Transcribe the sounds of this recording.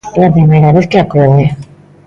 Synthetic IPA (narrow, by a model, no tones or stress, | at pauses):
lapɾimeɾaβeθkeakoðe